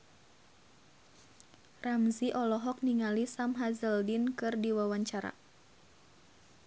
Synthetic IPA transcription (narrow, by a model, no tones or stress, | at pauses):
ramziʔɔlɔɦɔk̚niŋalisamɦazəldinkɨrdiwawaɲt͡ʃaɾa̰